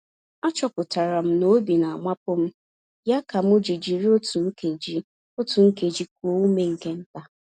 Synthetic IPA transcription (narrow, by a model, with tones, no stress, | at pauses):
a˦t͡ʃɔ˦kʊ˨ta˨ɾa˨m̩˦no˦bi˨na˨a˨ma˦pʊ˦m̩˦ | ja˦ka˨m̩˦ʊ˦d͡ʒi˨d͡ʒi˨ɾi˦o˦tu˨ŋ̩˦ke˨d͡ʒi˦ | o˦tu˨ŋ̩˦ke˨d͡ʒi˦k̚ʷu˨o˦u˦me˦ŋ̩˨ke˦n̩˦ta˨